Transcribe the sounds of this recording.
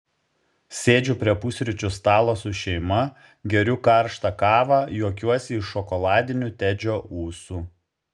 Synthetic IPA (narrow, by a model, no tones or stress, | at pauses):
sʲeːd͡ʒʲʊpʲɾʲiɛpʊsʲɾʲɪt͡ʃʲʊst̪ɑːlˠoːsʊʃʲɛɪmɐ | ɡʲɛɾʲʊkɐˑɾʃt̪ɑkɑːʋɑːjuɔkʲuɔsʲɪɪʃɔkɔlˠɑːd̪ʲɪnʲʊt̪ʲæd͡ʒʲoːʔuːsu